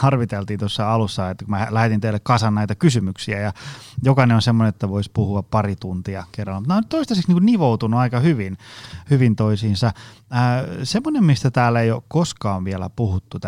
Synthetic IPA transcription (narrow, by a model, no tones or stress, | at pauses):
hɑrʋit̪elt̪iːnt̪osːɑɑlusːɑet̪ːækumælæhet̪int̪eilːekkɑsɑnnæˑit̪ɑkysymyksiæjɑjokɑnenonsemːonenet̪ːæʋoispuhuɑppɑrit̪unt̪iɑkerːɑlːmut̪næonyt̪t̪oist̪ɑseksniŋkunniʋout̪unuɑikɑhyʋinhyʋint̪oisiːnsɑəːsemːonemmist̪æt̪æːlːeijokkoskɑːʋʋiælæ̰puhut̪ːut̪